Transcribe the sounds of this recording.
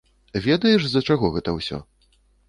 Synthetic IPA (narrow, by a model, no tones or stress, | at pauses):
vʲɛd̪ɐjɛʂzɐt͡ʂaɣɔɣɛt̪ɐwsʲɔ̰